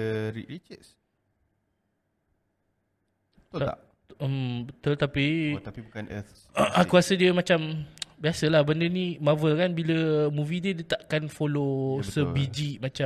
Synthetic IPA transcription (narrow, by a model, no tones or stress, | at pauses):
əɾḭʔɾit͡ʃəs | a̰ | əmt̪ət̪apiapibukanə̰t̪ | akuasədiəmãt͡ʃambiasəlahbəndənĩmavəlkanbiləmũvidiədət̪aʔkanfolosəbid͡ʒiʔmat͡ʃa